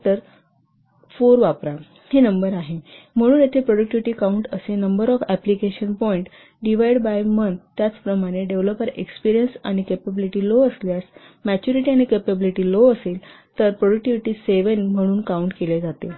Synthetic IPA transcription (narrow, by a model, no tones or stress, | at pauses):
t̪əɾ | foɾʋapɾa | henəmbəɾaɦem̤əɽ̃uːnjat̪ʰepɾɔɽək̚ʈiʋiʈiːkauɳʈəsenəmbəɾɔfæplikeɕənpɔiɳʈ | ɖiʋajɽbajmənt̪ːjat͡spɾəmaɽ̃eɖeʋləpəɾḛkspiɾijənsa̰ɽ̃ikepebiliʈiːloəsljas | mæt͡ɕuɾiʈiaɽ̃ikepebiliʈiːloəsel | t̪əɾpɾɔɽək̚ʈiʋiʈiːseʋənm̤əɽ̃uːnkauɳʈkeled͡zat̪e